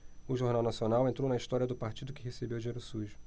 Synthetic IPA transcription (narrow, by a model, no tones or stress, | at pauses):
ʊʒoɾnawnasionawẽnt̪ɾownɐiʃt̪ɔɾiɐd̪ʊpaɾt͡ʃid̪ʊkɪɦesebewd͡ʒiɲeɾʊsuʒʊ̥